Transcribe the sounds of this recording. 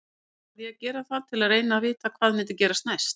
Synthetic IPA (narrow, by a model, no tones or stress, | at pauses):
aðjɛcɛːɾaθat̪ʰɪlaðreːjnavɪːt̪akʰv̥aːðmɪnt̪ɪcɛːɾast̪najst̪